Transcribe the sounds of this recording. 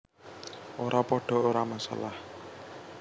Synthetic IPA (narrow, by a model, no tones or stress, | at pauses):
ʔoɾʔapɔɖ̥ɔ̤oɾamasa̰lah